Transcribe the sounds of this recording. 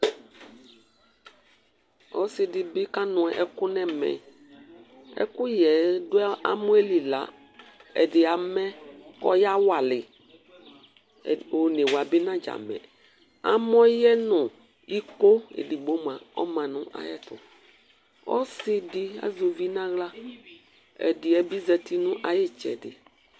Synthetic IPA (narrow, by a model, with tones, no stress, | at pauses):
ɔ˦sɪ˨dɪ˨bɪ˦ka˦nʊ̃˨ɛ˨ʔɛ˦kʊ˦nɛ̃˦mɛ̰˨ | ɛ̰˦kʊ˦jɛ˨dʊ˦a̰˦mʊ̃˦e˦li˨la̰˨ | ɛ̰˨dɪ˨a˨mɛ˦kɔ̰˦ja˦wa˨lɪ˨ | o˨ne˨wa˨bɪ˦nã˦d͡ʒa̰˨mɛ̰̃˨ | a̰˦m˦ɔ˦jɛ˦nʊ̃˨ | i˦ko˦ḛ˨dɪ˨ɡ͡bo˦m˨a˨ɔ̰˦mã˨nʊ̃˦ʔa̰˨jɛ̰˦˨tʊ̰˨ | ɔ̰˦sɪ˦dɪ˦a̰˨zo˨vi˦nã˦ɣla˦ | ɛ̰˨dɪ˨ɛ˨bi˦zɛ˨ti˦nʊ̃˦ʔa˨jɛ˦t͡ʃɛ̰˨dɪ˨